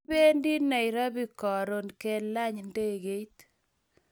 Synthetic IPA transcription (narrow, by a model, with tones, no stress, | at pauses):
be˦ndi˦na˨jɾa˦bi˨kɔ˨ɾo˨nke˦la˦ɲnde˦ɣe˨˦i˦t